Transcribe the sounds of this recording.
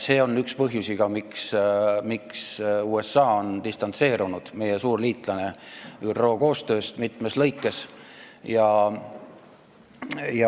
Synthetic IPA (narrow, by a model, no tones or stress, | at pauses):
se̞ːo̞nːykspɤɦjusiɡ̥ɑmiksmiksuːe̞sːɑːo̞nt̪ist̪ɑnt̪se̞ːɾunud̪̥me̞jesuːrliːt̪ˑlɑne̞yrro̞ːko̞ːst̪ø̞ːst̪mit̪ˑme̞slɤjkːˑe̞sjɑ | jɑ